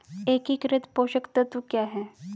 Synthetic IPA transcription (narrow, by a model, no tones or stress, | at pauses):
ekikɾɪt̪poːɕəkt̪ət̪ʋukjaːɦɛ